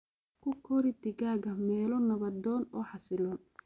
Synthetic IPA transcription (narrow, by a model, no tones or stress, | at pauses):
kʰʊkʰɔɾɪd̪ɪɣaːɣɐmɛːlɔnɐβɐd̪ɔːnɔːħɑsɪlɔːn